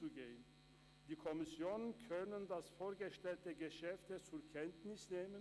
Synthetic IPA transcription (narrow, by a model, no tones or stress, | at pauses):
uɡeːən | d̥iːkʰɔmɪsjoːnənkʰœnəndasfoːɐɡəʃtɛltəɡəʃɛftət͡sʊɐkʰɛntnɪsneːmən